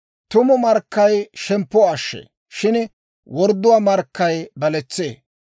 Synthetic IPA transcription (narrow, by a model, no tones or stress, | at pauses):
t̪ʊmɔmɐɾkːɐjʃɛmpːɔɐʃːḛː | ʃɪn | wɔɾd̪ːʊwaːmɐɾkːɐjbɐlɛt͡sːḛː